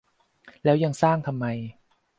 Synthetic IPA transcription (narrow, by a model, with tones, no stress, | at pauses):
lɛː˦˥wja˧ŋsaː˥˩ŋt̪ʰa˧mːa˧j